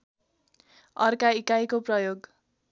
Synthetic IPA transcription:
ʌrkaikajkoprʌjoɡ

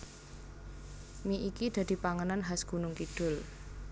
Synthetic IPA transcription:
miʔikid̪̥ä̤d̪̥i̤paŋənanɦasɡ̥ṳnʊŋkiɖ̥ʊ̤l

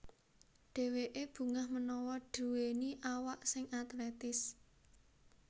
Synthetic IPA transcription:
ɖ̥e̤weʔeb̥ṳŋahmənɔwɔɖ̥ṳweniʔawaʔsɪŋʔat̪lɛt̪ɪs

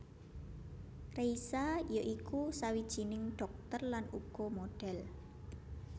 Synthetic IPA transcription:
reisajoʔikusawid̥ʒ̥i̤nɪŋɖ̥ɔ̤k̚t̪ərlanuɡ̥ɔmoɖ̥ɛl

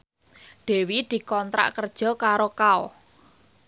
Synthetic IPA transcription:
ɖ̪̥e̤wid̪̥i̤kɔnt̪ɾa̰ʔkərd̥ʒ̥ɔ̤kaɾokaɔ

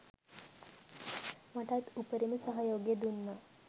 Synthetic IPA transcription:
maʈʰat̪upəɾimisəɦəjoɡjed̪unːa

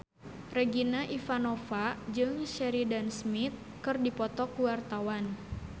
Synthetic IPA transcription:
rɛɡinaʔifanɔfad͡ʒɨŋʃɛɾidansmit̪̚ | kɨrdipɔt̪ɔkuwart̪awan

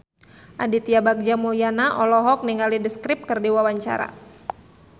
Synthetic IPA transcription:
ʔadit̪iabak̚d͡ʒamulianaʔɔlɔɦɔk̚niŋalidəskɾɪp̚kərdiwawaɲt͡ʃa̰ɾa̰

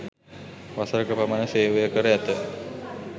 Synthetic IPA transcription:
ʋasəɾəkəpamanəseːʋejəkəɾəæt̪ə

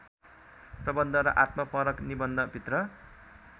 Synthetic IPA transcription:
prʌbʌnd̪ʱʌɾʌ̰ʔat̪mʌpʌɾʌknibʌnd̪ʱʌbʱit̪rʌ

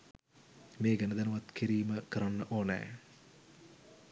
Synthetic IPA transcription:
meːɡɐnəd̪ɐnuʋɐt̪kʰiɾiːməkəɾanːəʔoːnɛ̰ː

